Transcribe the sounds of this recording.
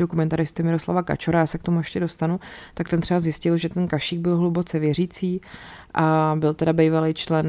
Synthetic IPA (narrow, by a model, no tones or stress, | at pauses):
do̞kumɛnt̪aɾɪst̪ɪmɪɾo̞sla̰vaka̰t͡ʃoɾajaːsɛkt̪o̞mujɛʃcɛdo̞st̪anut̪ak̚t̪ɛnt̪r̥ɛbazjɪscɪlʒɛt̪ɛnkaʃiːɡ̚bɪlɦlubo̞t͡sɛvjɛriːt͡siːʔabɪlt̪ɛdabɛjvalejt͡ʃlɛn